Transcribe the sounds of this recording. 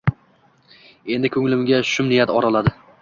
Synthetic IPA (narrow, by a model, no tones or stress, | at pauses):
e̞nd̪ɪkʰɵŋlɪmɡʲaʃʊmnɪijat̪ɒɾalad̪ɪ